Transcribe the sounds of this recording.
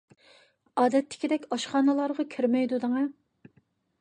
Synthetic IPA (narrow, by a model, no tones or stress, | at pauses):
ɑːd̪ɛt̪ʰːɪ̥kʲid̪ɛkʲɑʃχɑːnɨlˠɑɾʁɑkʲʰɪɾmɛjd̪ud̪ɨŋɑ